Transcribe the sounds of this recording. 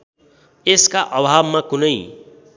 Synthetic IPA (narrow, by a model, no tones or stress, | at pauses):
eskaʔʌbʱabmãkunəj